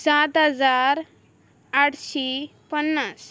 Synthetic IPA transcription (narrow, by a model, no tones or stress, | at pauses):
sat̪ɦəd͡zaɾ | aʈɕepənːas